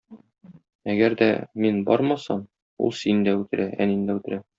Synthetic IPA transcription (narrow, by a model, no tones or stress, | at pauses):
æɡæɾd̪æ̰minbɒɾmɑsɑm | ṵlˠsind̪æʉt̪ɘ̆ɾʔæʔæ̰nind̪æʉt̪ɘ̆ɾæ